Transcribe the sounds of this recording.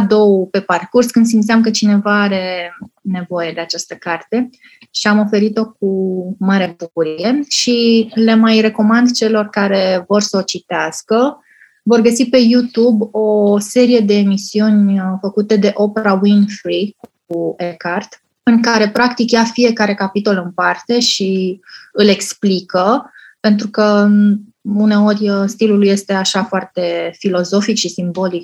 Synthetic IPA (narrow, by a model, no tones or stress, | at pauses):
d̪o̞wpe̞parkurskɨnd̪s̬imt̪eiamkət͡ʃine̞vaaɾe̞ne̞vo̞je̞d̪e̞at͡ʃast̪əkart̪e̞ | ʃiamo̞fe̞ɾit̪o̞k̚umaɾebukuɾije̞ʃile̞majre̞ko̞mand̪t͡ʃe̞lo̞rkaɾe̞vo̞rsəot͡ʃit̪easkə | vo̞rɡəsipe̞jut̪ubo̞se̞ɾije̞d̪e̞ːmisiunʲfəkut̪e̞d̪e̞ʔo̞pe̞ɾawinfɾikuekart̪ | ɨŋkaɾe̞pɾakt̪ikjafije̞kaɾe̞kapit̪o̞lɨmpart̪e̞ʃiɨle̞ksplikə | pe̞nt̪ɾukə | une̞o̞rʲst̪iluluje̞st̪e̞aʃafoart̪e̞filo̞zo̞fikʃisimbo̞lik̚